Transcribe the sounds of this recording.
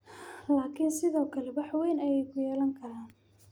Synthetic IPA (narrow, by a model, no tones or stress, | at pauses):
laːkʰinsɪðɔːkʰɐlɛbɑħwɛjnɐjɛjkʰʊjɛːlɐŋkʰɐɾaːn